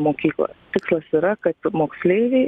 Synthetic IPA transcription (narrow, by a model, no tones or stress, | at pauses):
moːkʲiːklˠo̰jt̪ʲɪkslˠɐsiːɾɐkɐt̪moːksʲlʲeɪʋʲeɪ